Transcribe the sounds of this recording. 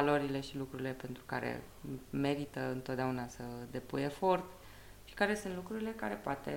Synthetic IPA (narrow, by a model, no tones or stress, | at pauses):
alo̞ɾile̞ʃilukɾuɾile̞pe̞nt̪ɾuka̰ɾḛ | me̞ɾit̪əɨnt̪o̞t̪̚d̪eaunasəd̪e̞puje̞fo̞rt̪ | ʃi̥kaɾe̞sɨnt̪lukɾuɾile̞kaɾe̞poat̪e̞̰